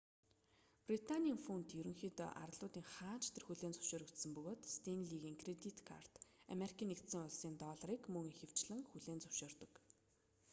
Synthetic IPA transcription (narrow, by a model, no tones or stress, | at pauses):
prit̪ʰanʲiːŋfunt̪jɵɾɘ̆ŋxiːt̪ːʔa̰rɮʊːt̪iːŋχaːnt͡ɕt̪ʰerxuɮeːnt͡sʊ̥w̥ʃoːɾɵ̆kt̪sə̆mpɵɣoːt̪st̪ʰenɮiɣiːŋkʰret̪it̪kʰa̰r̥t̪a̰meɾikʰiːnːekt̪sĭːŋʊɮsiːnt̪ɔːɮ̆riːkmɵŋiŋxew̥t͡ɕɮɘ̆ŋxuɮeːnt͡sʊw̥ʃʊːrt̪ɞ̆k